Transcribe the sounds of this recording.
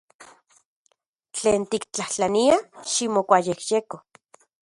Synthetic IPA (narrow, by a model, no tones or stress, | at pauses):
t͡ɬeːnt̪ikt͡ɬaht͡ɬaniaʃimokʷajehjeko